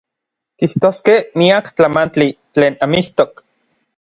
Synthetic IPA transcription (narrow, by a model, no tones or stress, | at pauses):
kiht̪oːskehmiakt͡ɬamant͡ɬit͡ɬeːnamiht̪ok